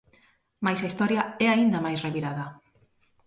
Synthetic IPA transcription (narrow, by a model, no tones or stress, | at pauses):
majsaist̪ɔɾjaɛaind̪ɐmajsreβiɾaðɐ